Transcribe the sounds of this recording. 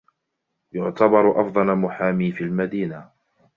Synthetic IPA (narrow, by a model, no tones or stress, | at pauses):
jʊʕt̪abɑɾˤʔɑfd̪ˤɑlmʊħaːmiːfiːlmad̪iːna